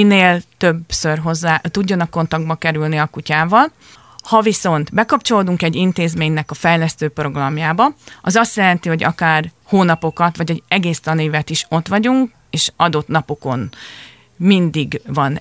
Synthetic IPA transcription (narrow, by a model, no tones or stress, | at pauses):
ineːlt̪øbsø̞rɦo̞zːaːt̪uɟːɒnɒkːo̞nt̪ɒɡ̚d̪bɒkɛɾylniɒkucaːvɒl | hɒviso̞nt̪bɛkɒpt͡ʃo̞loːd̪uŋkɛɟːint̪eːzmeːɲnɛkɒfɛjlɛst̪øːpro̞ɡrɒmjaːbɒɒzɒst̪jɛlɛnt̪iho̞ɟɒ̰kaːr | hoːnɒpo̞kɒt̪ʋɒɟɛɟɛɡeːst̪ɒnivɛt̪iʃo̞t̪ʋɒɟuŋk | eːʃɒd̪o̞t̪nɒpo̞ko̞n | mind̪iɡvɒn